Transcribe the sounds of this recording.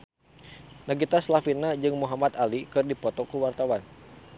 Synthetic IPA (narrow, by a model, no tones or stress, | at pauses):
naɡit̪aslafinad͡ʒɨŋmuɦamat̪alikɨrdipɔt̪ɔkuwart̪awan